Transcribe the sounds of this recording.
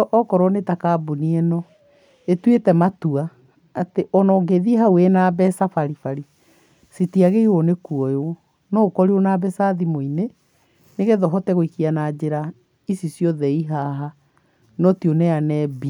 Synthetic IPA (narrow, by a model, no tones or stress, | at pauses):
ʔɔkɔɾɔnetakaːbuniɛnɔ | etwetɛmatuaː | teʔɔnɔŋɡeðiɦawenabɛsafaɾifaɾi | sitiaɣeionekuɔjo | nɔkɔɾionaːbɛsaðimoine | neɣɛðɔɦɔtɛɣoikianad͡ʑeɾa | isisjɔðɛiɦaɦa | nɔtionɛanɛbi